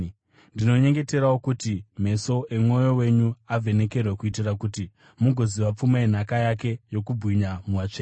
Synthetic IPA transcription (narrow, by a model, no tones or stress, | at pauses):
ndino̞ɲe̞ŋɡe̞te̞ɾawokutim̤e̞so̞ʔemŋo̞jo̞we̞ɲuavʱe̞ne̞ke̞rwekuitirakuti | muɡʱo̞ziʋap͡fumaen̤akajake̞jo̞kubʱwiɲamuwat͡ʂeː